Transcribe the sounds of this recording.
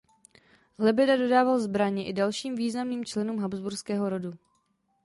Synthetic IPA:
lɛbɪdado̞daːvalzbɾaɲɪʔɪdalʃiːmviːznamniːmt͡ʃlɛnuːmɦabzbuɾskɛːɦo̞ɾo̞du

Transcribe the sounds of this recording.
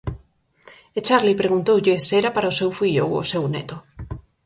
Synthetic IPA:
et͡ʃaɾlipɾeɣunt̪owʎɪsɛɾapaɾaʊsewfiʎowo̰sewnɛ̰t̪ʊ

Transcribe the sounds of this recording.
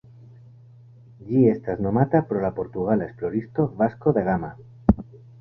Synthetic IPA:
ʎiest̪aznomat̪apɾolapo̞ɾt̪uɣ̞alesploɾist̪o̞βaskoðe̞ɣ̞ama

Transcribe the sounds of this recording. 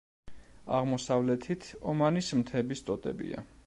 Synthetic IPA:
a̰ʁmɔsavlɛt̪ʰit̪ʰɔmanismt̪ʰɛbist̪ʼɔt̪ʼɛ̰bḭa̰

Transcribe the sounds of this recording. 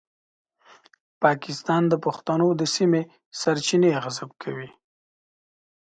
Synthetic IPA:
pɑkɪst̪ɑnd̪əpaxt̪anod̪əsime | saɾt͡ʃineɣazab̚kʰawi

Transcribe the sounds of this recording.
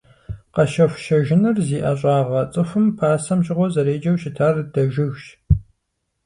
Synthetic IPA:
qɐʃɐfʷʃɐʒɪnɐrziːʔɐɕʼɑːʁɐt͡sʼɨfɨmpʰaːsɐmʑɪʁʷɔzɐɾeːd͡ʒɐwɕɪtʰaːrd̥ɐʒɪɣʃ

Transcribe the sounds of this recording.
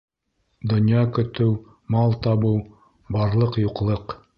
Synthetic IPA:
d̪ŏnjɑkɵ̆t̪ɘw | mɑlˠt̪ɑbɤw | bɑɾlˠɤqjuqlˠɤq

